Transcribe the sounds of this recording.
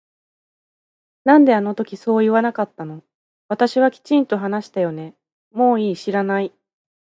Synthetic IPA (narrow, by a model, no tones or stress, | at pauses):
nãnd̪e̞ano̞t̪o̞kʲiso̞ːiβanakat̪ːano̞ | βat̪aɕiβ̞akʲi̥t͡ɕĩnt̪o̞ɦanaɕi̥t̪ajo̞ne̞ | mo̞ːiːɕiɾanai